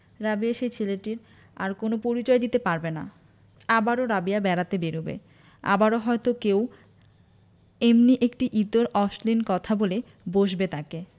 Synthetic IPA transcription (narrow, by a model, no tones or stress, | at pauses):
ɾabiaʃejt͡ɕʰileʈiɾ | a̰ɾkonopoɾit͡ɕɔed̪it̪epaɾbena̰ | abaɾoɾabijabɛɾat̪ebeɾubḛ | a̰baɾoɦɔet̪okew | emniʔekʈiʔit̪oɾɔʃlinkɔt̪ʰabole | boʃbet̪ake